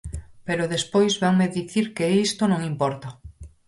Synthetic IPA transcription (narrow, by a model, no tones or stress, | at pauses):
peɾoðespojzβaŋmeðiθiɾkeist̪onõŋimpɔɾt̪a